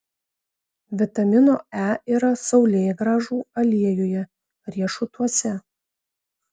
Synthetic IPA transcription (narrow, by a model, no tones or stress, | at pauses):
ʋʲɪt̪ɐmʲɪnoːæːiːɾɐsɒʊlʲeːjɡɾɑːʒuːɐlʲiɛjoːjɛ | ɾʲiɛʃʊt̪uɔsʲɛ